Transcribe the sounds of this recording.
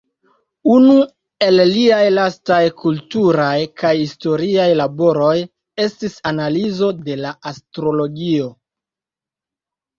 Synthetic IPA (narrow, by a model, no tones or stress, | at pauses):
unu | e̞lliajlastajkʰultuɾajkajhisto̞ɾiajlabo̞ɾo̞j | e̞stisanalizo̞de̞laʔastɾo̞lo̞ɡio̞